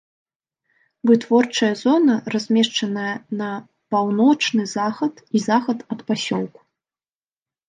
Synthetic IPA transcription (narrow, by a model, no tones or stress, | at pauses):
vɨt̪vɔrt͡ʂɐjɐzɔnɐrazʲmʲɛʂt͡ʂɐnɐjɐnɐ | pawnɔt͡ʂnɨzaxɐt̪izaxɐt̪ɐt̪pasʲɔlˠku̥